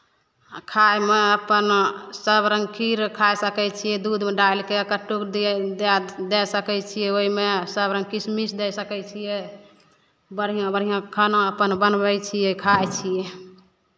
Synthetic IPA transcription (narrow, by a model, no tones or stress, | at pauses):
kʰajmeəpənsəbɾəŋɡkʰiɾkʰajsəkɛt͡ʃʰijɛd̪ud̪meɖalkekəʈːukd̪d̪d̪ɛsəkɛt͡ʃʰijɛoimesəbɾə̃ŋɡ̚kismisd̪ɛsəkɛt͡ʃʰijɛ | bəɾɦijõbəɾ̤ijãkʰənõəpənbənbɛjt͡ʃʰijɛkʰajt͡ʃʰijɛ